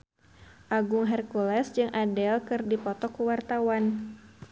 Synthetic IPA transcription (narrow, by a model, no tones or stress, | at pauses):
ʔaɡʊŋɦɛrkulɛsd͡ʒɨŋʔadɛlkɨrdipɔt̪ɔkuwart̪awan